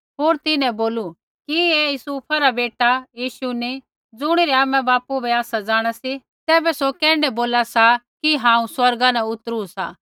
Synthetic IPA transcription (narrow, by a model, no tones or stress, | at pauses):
ɦoːɾt̪ɪnɛ̃boːlu | kiejʊsuːpʰaɾabeːʈajiːʃuni | d͡zʊɽ̃iɾɛaːmɛ̃baːpubɛaːsad͡zaːɽ̃asi | t̪ɛːbɛsokɛ̃ːɳɖɛboːlasakiɦãːũswɐɾɡanɛʊt̪ɾusa̰